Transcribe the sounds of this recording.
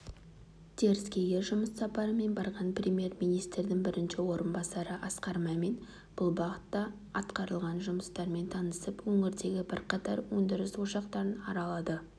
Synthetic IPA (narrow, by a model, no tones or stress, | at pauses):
t̪ʰe̞ɾɪskʲe̞ɡʲe̞ʒʊməsːɑpɑɾəme̞nbɑɾʁɑnprʲemje̞ɾmijnijst̪ɾd̪ɪŋbɪɾɪnʃɪwo̞ɾənbɑsɑɾəʔɑsqɑɾmɑme̞n | b̥ʊlˠbɑʁət̪ːɑ | ɑt̪qɑɾəlˠʁɑnʒʊməst̪ɑɾme̞nt̪ʰɑnəsəpwɵŋɪɾd̪e̞ɡʲɪbɪɾqɑt̪ɑɾwɵnd̪ɪɾɪswo̞ʃɑqt̪ɑɾənɑɾɑlˠɑd̪ə